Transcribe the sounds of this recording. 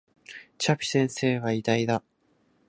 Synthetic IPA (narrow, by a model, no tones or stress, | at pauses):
t͡ɕapʲi̥sẽ̞ɰ̃se̞ːβaid̪aid̪a